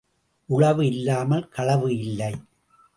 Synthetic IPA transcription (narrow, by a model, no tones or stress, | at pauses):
ʔʊɻɐʋɯɪlːaːmɐlkɐɭɐʋɯɪlːɐɪ